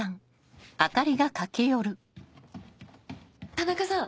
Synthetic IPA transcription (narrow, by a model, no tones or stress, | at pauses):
ãŋ | at̪aɾʲiɡakake̞jo̞ɾɯ̟ | anakɯsa